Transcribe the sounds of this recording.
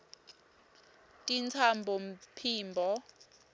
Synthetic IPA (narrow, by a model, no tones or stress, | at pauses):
tʼint͡sʰambʱɔm̩pʰiːmbʱɔ